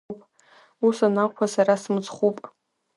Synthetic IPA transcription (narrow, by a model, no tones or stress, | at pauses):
pʼ | usanaqʷʰasaɾasmt͡sʼχʷupʼ